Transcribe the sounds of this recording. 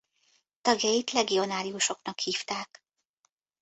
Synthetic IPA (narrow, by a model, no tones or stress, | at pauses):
t̪ɒɡjɒjit̪lɛɡio̞naːɾiuʃo̞knɒkhiːft̪aːk